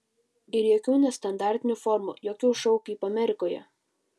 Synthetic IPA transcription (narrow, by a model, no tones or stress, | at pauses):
ɪɾjɛkʲuːnʲɛst̪ɐnd̪ɑˑɾʲt̪ʲɪnʲufɔɾmṵjoːkʲuːʃɐʊkipɐmʲɛɾʲɪkoːjɛ̰